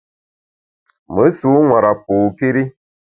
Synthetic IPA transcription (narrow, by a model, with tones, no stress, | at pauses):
mə˨˦su˨˦ŋwa˨ɾa˨p̚oː˨pi˦ɾi˦